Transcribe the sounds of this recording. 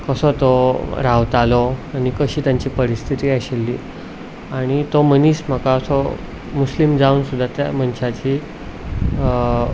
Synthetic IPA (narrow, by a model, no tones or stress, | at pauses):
kəsɔt̪oɾaʋt̪alɔaɽ̃ikəɕiːt̪jaɲt͡ɕiːpəɾist̪ʰit̪iːaɕelːiː | aɽ̃it̪oməniːsm̤əkasɔ | muslimd͡zauːnsud̪ʱːat̪ja̰mənɕat͡ɕiː